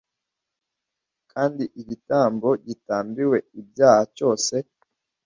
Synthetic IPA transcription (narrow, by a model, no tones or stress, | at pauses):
kʰaːndiʔiɟitaːmbo̞ɟitaːmbiwe̞ibjaːhat͡ʃo̞ːse̞